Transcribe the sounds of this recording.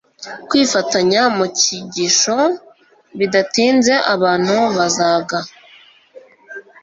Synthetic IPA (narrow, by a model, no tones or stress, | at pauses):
kwiːfataɲamuciɟiʃo̞ | βidatiːnze̞ʔaβaːn̥huβazaːɡa